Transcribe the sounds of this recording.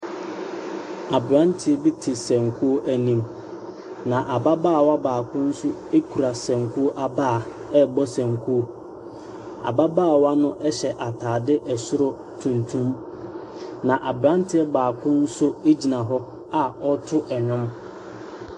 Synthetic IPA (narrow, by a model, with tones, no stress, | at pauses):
a˨bɾã˦ntʰɪ˦bi˦tʰɪ˨sɛ̃˨ŋkʰu˦o˦ʔæ˨nĩ˦m | nã˨ʔa˨ba˦baː˦˨wa˦baː˨kʰʊ̃˦n̩˦sʊ˦e˦kʰu˨ɾa˨sɛ̃˨ŋkʰu˦o˦ʔa˨baː˦˨ | ɛ˦bɔ˦sɛ̃˨ŋkʰu˦o˦ | a̰˨ba˦baː˦˨wa˦nʊ̃˦ʔɛ˦ɕɛ˨ʔa˨tʰaː˨dɪ˦ʔɛ˨sʊ˦ɾɔ˦ | tʰũ˨ntʰũ˦m | nã˨ʔa˨bɾã˦n˦tʰɪ˦ɛ˦baː˨kʰʊ̃˦n̩˦sʊ˦e˦d͡ʑi˨nã˨ɦɔ˦ | a˨ɔ˦tʰʊ˦ʔɛ˨ɲᶣʊ̃˦m